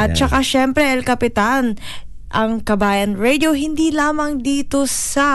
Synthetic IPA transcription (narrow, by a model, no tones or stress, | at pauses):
ʔɐt̪̚t͡ʃɐkaʃɛmpɾɛʔɛlkɐpɪt̪an | ʔɐŋkɐbaːjɐnɹɛd̪oɦɪnd̪ilaːmɐŋd̪iːt̪o̞sɐ